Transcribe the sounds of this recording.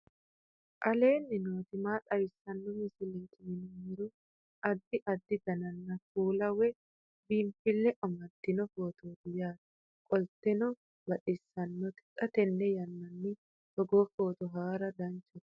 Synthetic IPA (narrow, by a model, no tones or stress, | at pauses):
ʔɐle̞ːnːɪnoːt̪ɪmaːᶑʼɐjɪsːɐnːɔmɪsɪlikʰɪmɪnʊmɪɾʊ | ʔɐd̪ːɪʔɐd̪ːɪd̪ɐnɐnːɐkuːlɐwɛ | biːmfɪlːɛʔɔmɐd̪ːɪnɔfoːt̪oːd̪ʊjaːd̪ɐ̥ | kʼɔlt̪ɛnɔ | bɐᶑɪsːɐnːɔt̪ɪ̥kʼɐt̪ɛnːɛjɐnːɐnːɪ | sɔɡoːfoːt̪ɔɦaːɾɐd̪ɐnt͡ʃɛt̪